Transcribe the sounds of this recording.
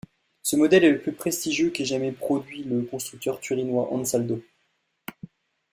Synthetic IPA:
səmɔd̪ɛlɛləplypχest̪iʒjøkeʒamɛpχɔd̪ɥiləkɔ̃st̪χyk̚t̪œʁt̪yʁinwaʔɑ̰̃nsald̪o

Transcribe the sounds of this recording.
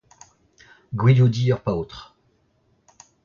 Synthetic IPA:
ɡwiljud̪iœʁpaot̪χ

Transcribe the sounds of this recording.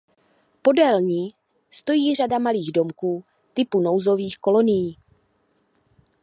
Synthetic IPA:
po̞dɛlɲiː | st̪o̞jiːr̝adamaliːɣdo̞mkuː | t̪ɪpuno̞wzo̞viːxko̞lo̞nɪjiː

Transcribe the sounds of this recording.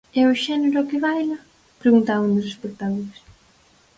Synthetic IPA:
ɛʊʃɛneɾʊɔkɪβajlɐ | pɾeɣunt̪avũnd̪ʊsespek̚t̪akolɪs

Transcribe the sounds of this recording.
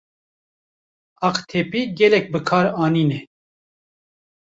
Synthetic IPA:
ɑqt̪ʰeːpiːɡɛlɛk̚bɨkʰɑːɾɑːniːnɛ

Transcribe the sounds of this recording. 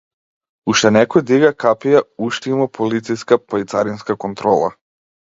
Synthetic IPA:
uʃt̪ɛnɛkɔjd̪iɡakapijauʃt̪imɔpʰolit̪sijskapait̪saɾinskakɔnt̪ɾɔlˠa̰

